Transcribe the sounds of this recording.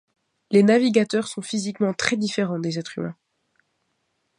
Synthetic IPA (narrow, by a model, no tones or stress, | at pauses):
lenaviɡat̪œʁsɔ̃fizikmɑ̃t̪χɛd̪ifeʁɑ̃d̪ezɛt̪χymɛ̰̃